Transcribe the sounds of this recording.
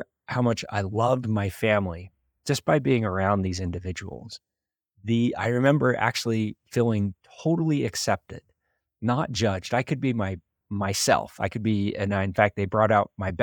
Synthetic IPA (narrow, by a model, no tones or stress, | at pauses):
haʊmʌt͡ʃa̰ɪlʌvmaɪfæ̃mli | d̥d͡ʒ̥ʌsb̥aɪbiɪ̃ŋə˞ãʊ̃nðizɪ̃ndɨvɪd͡ʒɨ̰w̰l̩ˠz̥ | ðia̰ɪɹɨmɛ̃mbə˞ʔæ̰k̚t͡ʃʉl̩ˠifilˠɪ̃ŋtʰoʊɾl̩ˠiɨksɛp̚tɪ̰d̥ⁿ | nət̚d̥ʒ̥ʌd͡ʒdaɪkʰɨd̚bimaɪ | maɪsɛ̰lˠfa̰ɪkʰɨd̚biɨ̰̃naɪɨ̃nfæk̚t̚ðeɪbɹɔɾaʊt̚maɪb